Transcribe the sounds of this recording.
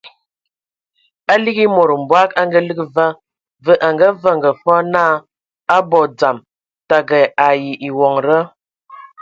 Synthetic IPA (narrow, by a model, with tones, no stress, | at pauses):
a˦li˦ɡi˦mo˨ɾə˨m̩˨bwa˦ka˦ŋɡə˦lə˦kə˦˨va˦ | və˦ʔa˨ŋɡə˦və˦˨ŋɡə˨fɔ˦naː˦˨ | a˦bɔ˨d͡za˨m | ta˨ɡə˨a˨ji˨ʔi˨wɔ˨ŋɾə˦